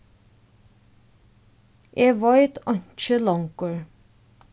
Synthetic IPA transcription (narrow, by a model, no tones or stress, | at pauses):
ʔeːʋɑɪt̪ʰɑnt͡ʃəlɔŋkəɹ